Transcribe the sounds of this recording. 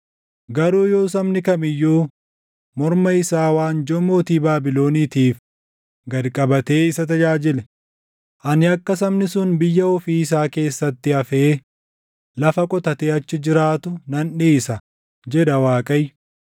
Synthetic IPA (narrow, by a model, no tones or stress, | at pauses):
ɡɐɾuːjo̞ːs̬ɐmnɪkɐmɪjːoː | mɔɾmɐɪsaːwaːnd͡ʒɔmoːt̪iːbaːbɪlo̞ːniːt̪iːf | ɡɐlkʼɐbɐt̪e̞ːɪsɐt̪ɐd͡ʒaːd͡ʒɪlɛ | ʔɐnɪɐkːɐsɐmnɪsʊnbɪjːɐɔfiːɪs̬aːke̞ːsːɐt̪ːɪɐfeː | lɐfɐkʼɔt̪ɐt̪eːɐt͡ʃːɪd͡ʒɪɾaːt̪ʊnɐnᶑiːsɐ | d͡ʒɛᶑɐwaːkʼɐj